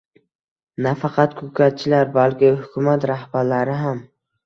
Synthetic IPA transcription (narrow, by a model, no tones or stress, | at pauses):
nafɑqʰɑt̪kʰɵkʰʲat̪̚t͡ʃʰɪlaɾbalkʲɪhʊkʲʊmat̪ɾahbaɾlaɾɪɦam